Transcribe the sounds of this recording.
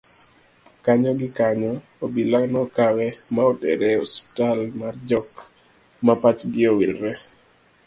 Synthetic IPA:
kaɲɔɡɪkaɲɔ | obilanɔkawɛmaɔtɛ̰ɾɛɔspi̥talmard͡ʒɔk | mapat͡ʃɡɪowilɾɛ

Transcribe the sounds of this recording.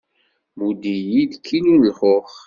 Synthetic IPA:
mud̪ijid̪kʰːinunəlχoχ

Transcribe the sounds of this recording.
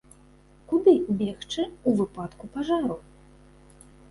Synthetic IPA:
kud̪ɨbʲɛxt͡ʂɨuvɨpat̪kupaʐaɾu

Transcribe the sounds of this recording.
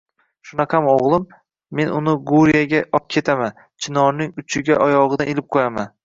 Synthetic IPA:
ʃʊnɑqʰɑmoʁlˠɪmː | e̞nʊnɪɡuɾijaɡʲaʔɒp̚kʲʰe̞t̪ʰaman | t͡ʃʰɪnɒɾnɪŋʊt͡ʃʰɪɡʲaʔɒjɒʁɨd̪anelɪp̚qʰojaman

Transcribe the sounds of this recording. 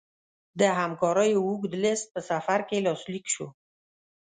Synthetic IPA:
d̪əɦamkɑɾəjowuɡd̪əlɪst̪̚pəsafaɾkelɑslikʃo̰

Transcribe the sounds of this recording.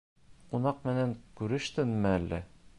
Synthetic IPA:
qunɑqmɘ̆næŋkʉɾɘ̆ʃt̪ɘnmɘælːæ̰

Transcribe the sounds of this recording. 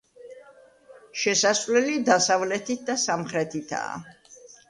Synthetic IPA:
ʃɛsasvlɛlid̪asavlɛt̪ʰit̪̚ʰd̪asamχɾɛt̪ʰit̪ʰa̰ː

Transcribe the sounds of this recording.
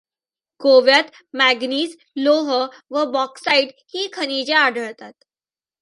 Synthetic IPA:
ɡoʋjat̪ | mæɡniːs | loɦəʋəbɔksaiʈ | hiːkʰənit͡ɕeaɖʱəɭt̪at̪̚

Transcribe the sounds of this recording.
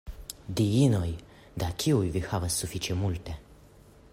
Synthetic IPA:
d̪iinɔj | d̪akʰʲiujvixavəsufit͡ʃɛmult̪e

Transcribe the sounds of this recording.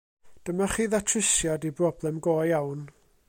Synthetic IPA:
d̥əmaχiːðatʰrɪsjadibrɔblˠɛmɡoːjawn

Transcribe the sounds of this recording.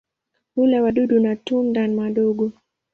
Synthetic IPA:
ulɛwadudunatundanmadoɡo

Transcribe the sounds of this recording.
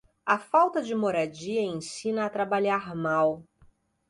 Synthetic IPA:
ɐfawt̪ɐd͡ʒɪmoɾad͡ʒiɐẽsĩnɐːt̪ɾabaʎaɾmaw

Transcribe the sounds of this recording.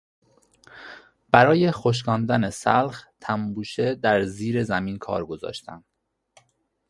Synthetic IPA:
b̥æɾɒːje̞xoʃ̬kɒːnd̪ænesæ̰lxt̪ʰæmbuːʃe̞d̪æɾziːɾe̞zæmiːnkʰɒ̰ːɾɡo̞zɒ̰ːʃt̪æ̰m

